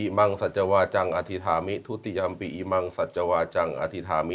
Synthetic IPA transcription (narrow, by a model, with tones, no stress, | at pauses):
i˧ma˧ŋsa˨˩t̪̚t͡ɕa˧waː˧t͡ɕa˧ŋʔa˧t̪ʰi˧t̪ʰaː˩˦mi˦˥t̪ʰu˦˥t̪i˧ja˧mpi˧˩ʔi˧ma˧ŋsa˨˩t̪̚t͡ɕa˧waː˧t͡ɕa˧ŋʔa̰˧t̪ʰi˧t̪ʰaː˩˦mi˦